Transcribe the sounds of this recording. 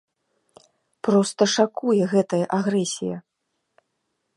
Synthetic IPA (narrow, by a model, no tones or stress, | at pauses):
pɾɔst̪ɐʂakujɛɣɛt̪ɐjɐʔaɣɾɛsʲḭjɐ